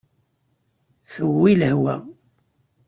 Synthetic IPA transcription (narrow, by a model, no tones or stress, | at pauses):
θəwːiləhwæ